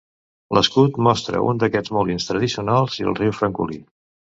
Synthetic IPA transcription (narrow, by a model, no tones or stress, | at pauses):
ləskut̪mɔst̪ɾə̰ṵnd̪əkɛd͡zmulinst̪ɾəðisiunalˠziə̰lˠriwfɾəŋkṵli